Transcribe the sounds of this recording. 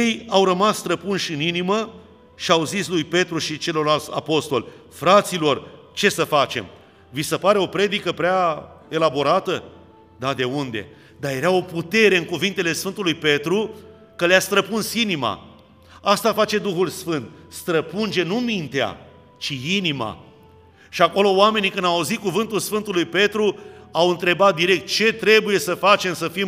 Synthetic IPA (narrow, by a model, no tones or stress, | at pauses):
ejawɾəmasst̪ɾəpunʃɨninimə | ʃiawzislujpe̞t̪ɾuʃit͡ʃe̞lo̞ralt̪sʲa̰po̞st̪o̞lʲfɾat̪silo̞r | t͡ʃe̞səfat͡ʃe̞̰m | visəpaɾe̞o̞pɾe̞d̪ikəpɾeae̞labo̞ɾat̪ə | d̪ad̪e̞und̪e̞̰ | d̪aje̞ɾao̞put̪e̞ɾe̞ɨŋkuvint̪e̞le̞sfɨnt̪ulujpe̞t̪ɾu | kəlast̪ɾəpunsinima̰ | ast̪afat͡ʃe̞d̪uxulsfɨnt̪st̪ɾəpund͡ʒe̞numint̪ea̰ | t͡ʃiinima̰ | ʃiako̞lo̞oame̞nikɨnd̪auzit̪̚kuvɨnt̪ulsfɨnt̪ulujpe̞t̪ɾuawɨnt̪ɾe̞bat̪̚d̪iɾe̞k̚t̪̚t͡ʃe̞t̪ɾe̞buje̞səfat͡ʃe̞msəfim